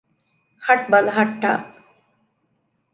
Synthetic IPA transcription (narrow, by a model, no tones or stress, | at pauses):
hɐʈ̚bɐlɦɐʈːa̰